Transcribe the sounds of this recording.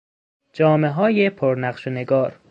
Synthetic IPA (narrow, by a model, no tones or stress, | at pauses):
d͡ʒɒːmeɦɒːjepʰoɾnæqʃeneɡɒːɾ